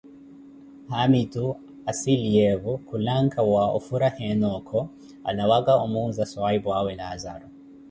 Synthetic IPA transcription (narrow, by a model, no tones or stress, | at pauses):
hamitu | asiliɛβukulaŋkʰawaʔṵfuɾahɛnɔkʰɔ | a̰lawaɡaʔumunzaswaibwawɛnaːza̰ɾɔ